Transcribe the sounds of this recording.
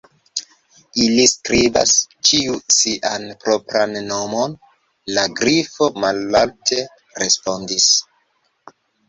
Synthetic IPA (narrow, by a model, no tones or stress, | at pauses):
iliskɾiba̰st͡ʃiusiʔanpɾopɾanːo̞mo̞n | laɡɾifo̞malaltʰe̞ | ɾe̞spo̞ndis